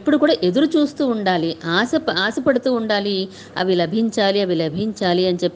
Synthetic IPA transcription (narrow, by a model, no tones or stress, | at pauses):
pːuɽukuːɽaːʔe̞d̪uɾut͡ʃuːst̪uːuɳɖaːliʔaːsɐaːsɐpɐɽut̪uːɳɖaːli | ɐ̰ʋilɐbʱiɲt͡ʃaːliɐʋilɐbʱiɲt͡ʃaːliɐnit͡ʃepː